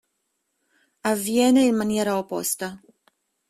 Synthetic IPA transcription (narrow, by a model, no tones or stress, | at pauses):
avjɛnɛilmanjɛɾaopo̰st̪a